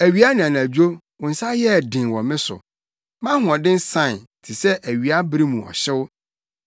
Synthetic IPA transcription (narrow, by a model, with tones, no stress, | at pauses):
æ˨ɥi˨˦a˦nɪ̃˨ã˨n˨ã˨d͡ʑᶣo˦ | wʊ̃˨n̩˨sa˦jɛ˦˨dɪ̃˨n˨wɔ̃˨mɪ̃˦sʊ̰˨ | mã˦ɦʊ˨ɔ̃˨dɪ̃˦n̩˦sã˦˨tʰi˨sɛ˦ʔæ˨ɥi˨a˦bɾĩ˦mũ˨ɔ̰˨ɕɛ˦wʊ˦